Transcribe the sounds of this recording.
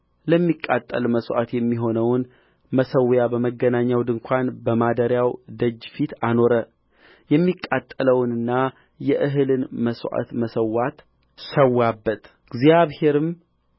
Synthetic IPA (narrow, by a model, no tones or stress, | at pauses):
ləmːikʼːa̰t̪ʼːə̰lməswʔa̰t̪jɛmːiɦo̞nəwn | məsəwjabəməɡːənaɲːawd̪ɨŋkʷʰanbəmad̪əɾjawd̪əd͡ʒːfit̪ano̞ɾə | jɛmːikʼːat̪ʼːələwnɨnːa | jɛʔɨɦɨlɨnməswʔa̰t̪məsəwat̪ | səwːabːət̪ | ɡzjaβhe̞ɾɨm